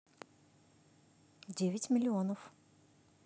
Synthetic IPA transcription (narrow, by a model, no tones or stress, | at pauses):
dʲevʲɪtʲmʲɪlʲɪonəf